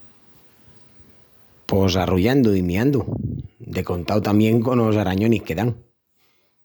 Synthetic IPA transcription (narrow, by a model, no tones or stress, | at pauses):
posaruʎand̪ʊimiand̪ʊd̪ekont̪awt̪amjẽŋkonosaɾaɲoniskeðaŋ